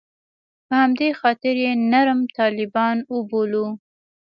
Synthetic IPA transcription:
pəhamd̪exɑt̪ɪɾjenaɾəmt̪ɑlɪbɑnəbolu

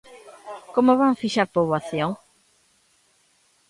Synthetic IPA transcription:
komoβaŋfiʃaɾpoβwaθjoŋ

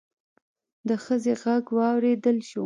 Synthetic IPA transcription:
d̪əxəzeɣaɡwɑwɾed̪əlʃu

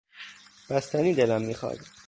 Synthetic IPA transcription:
b̥æst̪æniːd̪elæmːiːxɒ̰ːd̪

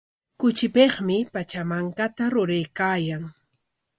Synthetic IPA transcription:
kʊt͡ʃɪpeχmɪpat͡ʃamaŋkat̪aɾʊɾejkaːjaŋ

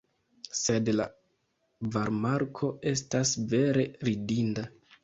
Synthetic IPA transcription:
se̞dla̰ | vaɾmaɾkʰo̞e̞stasve̞ɾe̞ɾidinda

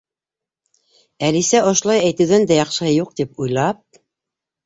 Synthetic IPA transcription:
ælisæʔŏʃ̆lˠɑjæjt̪ɘ̆ðænd̪æjɑχʃɤ̆hɤjuq̚t̪ipujlˠɑp̚

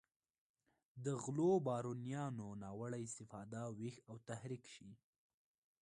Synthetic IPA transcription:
d̪əɣlobɑɾunijɑnonɑwəɽajɪst̪ɪfɑd̪awixawt̪ahɾikʃi

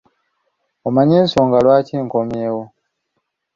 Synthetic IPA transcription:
omaɲeːnsoŋɡalwaːciːŋko̞mje̞ːwo

